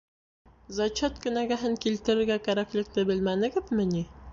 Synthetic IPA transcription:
zɑt͡ɕɑt̪kɘ̆næɡæɦɘŋkilt̪ɘ̆ɾɘ̆ɾɡækæɾæklɘ̆k̚lɘbɘlmænɘ̆ɡɘðmɘni

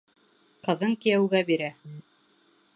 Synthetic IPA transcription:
qɤ̆ðɤŋkijæwɡæbiɾæ

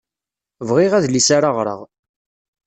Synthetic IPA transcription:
vʁɪʁæðlisaɾaʁɾə̰ʁ

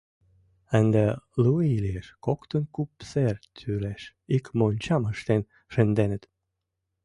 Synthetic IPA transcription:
ænd̪əluilʲieʃkokt̪ə̆nkupsert̪ʰyɾeʃ | ikmonʲt͡ɕɑməʃt̪en | ʃend̪enət̪

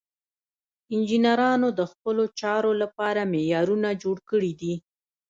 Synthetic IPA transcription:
ɪnd͡ʒinaɾɑnod̪əxpəlot͡ʃɑɾolapɑɾamejɑɾunad͡ʒoɽkəɽid̪i

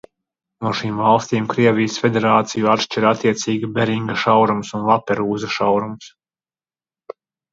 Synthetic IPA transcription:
nuɔʃiːmvalˠst̪iːmkɾiɛvʲijəsfʲed̪ʲeɾaːt̪sijuat̪ʃt͡ʃɛɾat̪ːiɛt̪siːɡibeɾiŋɡɐʃawɾumsunlˠapːɛɾuːzɐʃawɾums

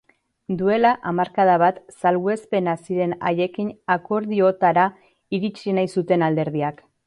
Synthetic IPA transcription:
d̪ue̞laʔamaɾkaðaβ̞at̪salɣue̞spe̞nasiɾe̞na̰je̞kinako̞ɾð̞io̞t̪aɾa | iɾit͡ʃinajsut̪e̞nald̪e̞ɾð̞iak

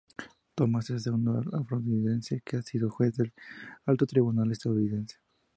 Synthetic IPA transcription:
t̪omaseseɣund̪oalafɾod̪iðensekeasiðoxweθðelalt̪ot̪ɾiβunalest̪aðuniðense̥

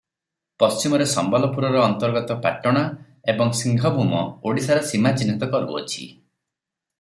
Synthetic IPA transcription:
pɔst͡ʃimɔɾesɔmbalɔpuɾɔɾɔːnt̪ɔɾɡɔt̪ɔpa̰ʈɔɽ̃a | ebɔŋsiŋɡʱɔbʱumɔoɽisaɾɔsimat͡ʃinːit̪ɔkɔɾubṵɔ̰t͡ʃʰḭ

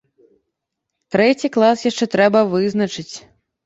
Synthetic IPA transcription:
t̪ɾɛt͡sʲiklˠasjaʂt͡ʂɛt̪ɾɛbɐvɨzn̪ɐt͡ʂɨt͡sʲ

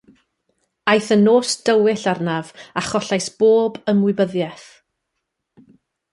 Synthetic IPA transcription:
ajθənoːsd̥əwɪɬarnavaχɔɬajsb̥oːbəmwʊɨbəðjɛθ

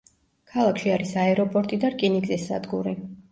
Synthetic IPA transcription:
kʰalˠakʰʃiaɾisaɛɾɔpʼɔɾt̪ʼid̪aɾkʼiniɡzɛsːa̰d̪ɡuɾi

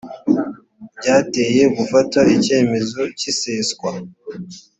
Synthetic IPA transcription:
bɟaːte̞ːje̞ɡufataice̞ːme̞zo̞ciseːskwa

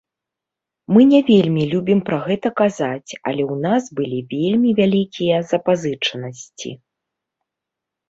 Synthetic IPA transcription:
mɨnʲɛvʲelʲmʲilʲubʲimpɾaɣɛt̪ɐkazat͡sʲɐ̰lʲɛwnasbɨlʲivʲelʲmʲivʲalʲikʲijɐzɐpazɨt͡ʂɐnɐsʲt͡sʲḭ

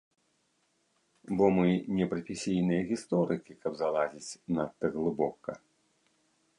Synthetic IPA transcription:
bɔmɨnʲɛpɾɐfʲisʲijnɨjɐɣʲist̪ɔɾɨkʲikɐbzalˠazʲit͡sʲnat̪ːɨɣlˠɨbɔkɐ̰

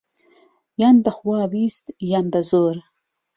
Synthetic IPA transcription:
jand̪axwɑːwist̪jand̪azoɾ

